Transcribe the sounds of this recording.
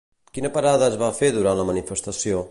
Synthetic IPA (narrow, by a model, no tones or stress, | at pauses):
kinəpəɾaðəːzβafeðuɾanləmənifəst̪əsio